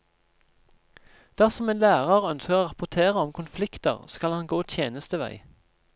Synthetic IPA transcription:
d̪̥æʁsɔmeːnlæːʁɑʁœnskəʁoːʁɑpʊʁt̪ʰeːʁəɔmkʰʊnflɪkt̪ə̰ʁskɑlɑnɡoːt̪ʰjeːnəst̪əʋæ̰ɪ

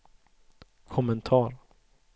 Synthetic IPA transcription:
kʰɔmɛnt̪ʰɑːɾ

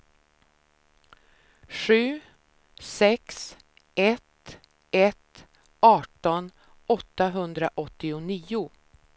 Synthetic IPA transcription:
ɧʉ̟ː | sɛks | ɛt̪ | ɛt̪ | ɑːʈɔn | ɔt̪ːaɦɵnd̪ɾaʔɔt̪ːɪʊniːʊ

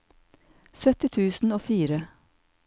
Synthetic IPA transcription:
sœt̪ɪt̪ʰʉːsn̩oːfiːɾə

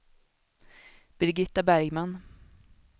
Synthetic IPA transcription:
b̥ɾɪɡɪt̪ːabæɾjman

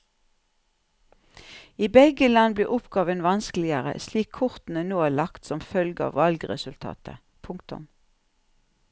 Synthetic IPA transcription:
iːbɛɡəlɑnbliːʔʊpɡɑːʋənʋɑnsklɪəʁə̰sliːkʰʊʁt̪n̩ənoːæːlɑkt̪sɔmfœlɡəɑ̰ːʋɑlɡʁɛsʉlt̪ʰɑ̰ːt̪ʰə̰ | pʰʊŋkt̪ʊ̰m

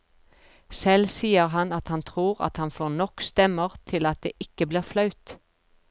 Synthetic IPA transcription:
sɛlsiːəʁɦɑnɑt̪hɑnt̪ʰʁuːʁɑ̰t̪hɑnfɔʁnɔkst̪ɛməʁt̪ʰɪlɑt̪̚d̪ḛːʔɪkəbliːʁflɑʉt̪

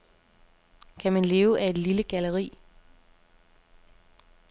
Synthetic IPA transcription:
kʰæmænle̝ːʊʔæe̝d̥liləɡ̥æləʁḭː

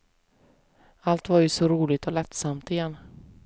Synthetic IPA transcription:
alt̪vaɾjɵsɔɾuːlɪɡ̚t̪ʰɔlɛt̪samt̪ɪjɛnː

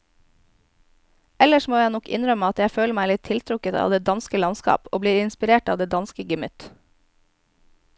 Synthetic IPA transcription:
ɛləʃmoːjæɪnɔkɪ̰nɾœməɑt̪jæɪføːləmæɪlɪt̪ʰɪlt̪ʰɾʊkət̪ɑ̰ːʋd̪eːd̪ɑnskəlɑnskɑ̰ːpoːbliːɾɪnspɪɾeːʈɑːʋd̪eːd̪ɑnskəɡəmʏt̪

